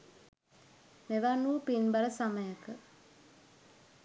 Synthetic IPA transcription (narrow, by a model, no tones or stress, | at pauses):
meʋanuːpinbaɾəsaməjakə